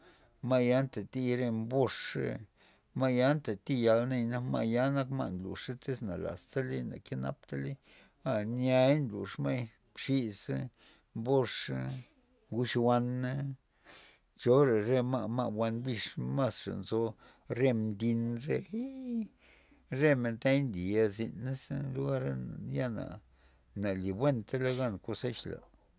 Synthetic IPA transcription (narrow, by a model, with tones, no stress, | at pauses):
ma˦ja˦nt̪a˨t̪i˦˧ɾe˧mbo˦˧ʂḛ˦˧ | ma˦ja˦nt̪a˨t̪i˦˧ja˧lne˧jna˦ma̰˧ʔja˦na˦kma̰˦ʔnlṵ˨ʂa˦t̪e˦sna˨la̰˨st̪a˦li˦na̰˨ke˦na̰˧p̚t̪a˦li˦ | a˨nja˧jnlṵ˨ʂma˦j | bʂi˧s | mbo˦˧ʂ | ɡu˦ʃwa˧na˦ | t͡ʃo˦ɾe˨ɾe˧ma˦ʔma˦ʔbwʷa˧nbi˧ʂma˦sʂa̰˨nzo˧ | ɾe˧md̪i˧nɾe˦˧i˦ | ɾe˦me˧˨nt̪a˦jnd̪i˨a˧zi˧nːa˦slu˦ɡa˦ɾa˦n˨ja˦na̰˨ | na˨li˨bwe˦nt̪a˦la˦ɡa˦nko˧se˦ʃla̰˨